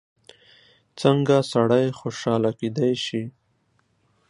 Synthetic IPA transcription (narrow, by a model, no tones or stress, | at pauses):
t͡səŋɡasaɽajxoʃɑlaked̪ajʃi